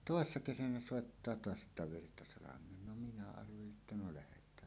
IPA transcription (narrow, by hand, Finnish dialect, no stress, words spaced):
toˑesːɑ kesænæ soˑetːɑː toɑs etːæ ʋirtɑsɑlɑmˑeːn no minæ ɑrʋeliʔ ʔetːæ no læhetˑæːn